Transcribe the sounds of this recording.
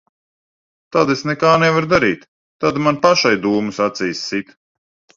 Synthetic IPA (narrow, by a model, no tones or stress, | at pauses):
t̪ad̪esnɛkaːnɛvaɾd̪aɾiːt̪ː | ad̪manpaʃajd̪uːmusat̪sijsːit̪